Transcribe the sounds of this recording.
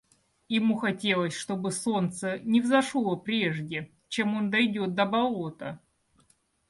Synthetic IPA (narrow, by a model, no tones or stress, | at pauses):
jɪmuxɐtʲe̞lˠəsʲʂt̪o̞bɨso̞nt̪sənʲɪvzɐʂlˠəpɾʲe̞ʐdʲɪ | t͡ɕe̞mo̞nd̪ɐjdʲo̞t̪̚d̪əbɐlˠot̪ə